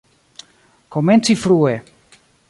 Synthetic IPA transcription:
koment͡sifɾue

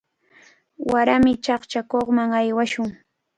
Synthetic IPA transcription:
waɾamɪt͡ʃɑχt͡ʃakoχmaŋajwaʃʊŋ

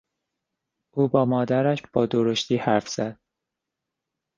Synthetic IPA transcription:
ʔuːbɒːmɒːd̪æɾæʃb̥ɒːd̪oɾoʃt̪iːhæɾfz̥æd̪̥̚

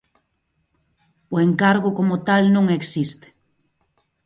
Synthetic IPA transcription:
ʊeŋkaɾɣʊkomot̪alnõŋeksist̪e̥

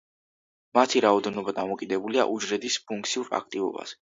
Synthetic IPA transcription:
mat̪ʰiɾaɔd̪ɛnɔbad̪amɔkʼid̪ɛbulia̰ʔud͡ʒɾɛd̪ispʰuŋk̚t̪sʰiuɾa̰k̚ʰt̪ʼivɔ̰ba̰z̥ɛ̥

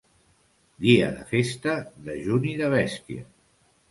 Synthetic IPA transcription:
d̪iə̰ðəfest̪əðəʒuniðəβ̞ɛst̪iə̰

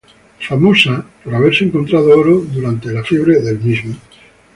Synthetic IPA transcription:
famosapoɾaβ̞eɾseŋkont̪ɾað̞ooɾoðuɾant̪elafjeβ̞ɾeðelmizmo

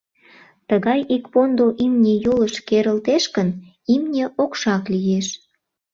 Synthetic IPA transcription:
t̪əɣɑjikpond̪oʔimnʲejoləʃkeɾəlt̪eʃkən | imnʲeʔokʃɑklijeʃ

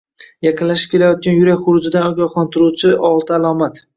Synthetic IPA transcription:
jɑqʰɨnlaʃɪ̥p̚kʲe̞lajɒt̪̚kʲanjʊɾakʲχʊɾʊd͡ʒɪd̪anɒɡʲɒχlˠant̪ʰɪɾuwt͡ʃʰɪʔɒlˠt̪ʰaalˠɒmat̪

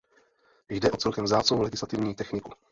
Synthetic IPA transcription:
jdɛʔo̞t͡sɛlkɛmzaːt͡sovowlɛɡɪslat̪ɪvɲiːt̪ɛxnɪku

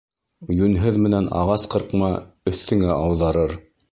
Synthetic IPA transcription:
jʉnɦɘðmɘ̆nænɑ̰ʁɑsqɤ̆ɾqmɑɵ̆θt̪ɘ̆ŋæʔɑwðɑɾɤɾ

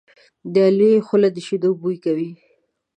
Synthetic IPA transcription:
d̪əalwexʊlad̪əʃid̪obujkawi

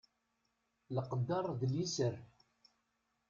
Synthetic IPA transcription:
ləqəd̪ːɑɾˤðlisəɾ

